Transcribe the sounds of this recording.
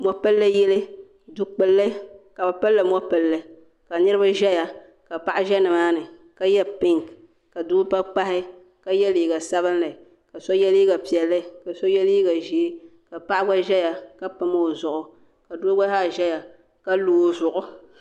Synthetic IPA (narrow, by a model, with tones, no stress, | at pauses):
mɔ˦pɨ˦lːɨ˦jɛ˦lɨ˦ | du˦k͡pɨ˦lːɨ˦ka˨ba˨pɨ˦lːɨ˨mɔ˦pɨ˨lːɨ˦ | ka˨nɨ˦ɾɨ˦ba˦ʒɛ˦ja˨ | ka˨pa˨ʔɪ˦ʒɛ˦nɨ˨maː˦nɨ˨ | ka˦jɛ˦pɪ˦ŋ˨ | ka˨du˦pa˦k͡pa˦hɪ˦ | ka˦jɛ˦liː˨ɡa˨sa˦βɨ˦nla˨ | ka˨sɔ˦jɛ˦li˦ɡa˨pi˨ɛ˨lːɨ˦ka˨sɔ˦jɛ˦li˦ɡa˨ʒi˨e˦ka˨pa˦ʔɪ˦ba˦ʒɛ˦ja˨ka˦pɨ˦ma˦o˨zʊ˨ʔʊ˨ | ka˨duː˦ɡa˦a˦˨ʒɛ˦ja˨ | ka˦loː˨˦zʊ˨ʔʊ˦